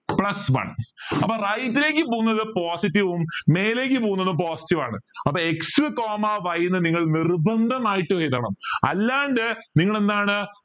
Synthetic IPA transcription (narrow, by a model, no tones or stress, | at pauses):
pɭɐsʋɐ̰ɳɐpːɐːrɐjtːile̞ːkʲːɨp̬oːɣunːɐðɨpoːsitːiʋumːe̞ːle̞ːk̬ʲːɨpoːɣunːɐðumpo̞ːsi̥tːiʋa̰ːɳɨ̰ɐpːɐːeksɨkoːmaʋɐjunːɐniŋːɐɭnirbɐnd̪ʱɐmaːjiʈːɨʋɐjt̪ːɐːɳɐmɐ̰lːaːɳɖɨniŋːɐɭe̞nd̪aːɳɨ